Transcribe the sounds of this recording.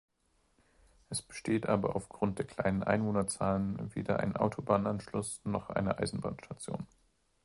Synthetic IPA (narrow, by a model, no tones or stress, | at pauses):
ʔɛsb̥ə̥ʃteːtʔaːbɐ̰ʔa̰ʊfɡ̥ʁʊnt̚d̥eːɐkʰl̥a̰ɪnənʔa̰ɪnvoːnɐt͡saːlənvḛːdɐʔa̰ɪnnʔa̰ʊtʰobaːnʔanʃlʊsnɔχʔa̰ɪnəʔa̰ɪzn̩ba̰ːnʃtʰat͡sjo̰ːn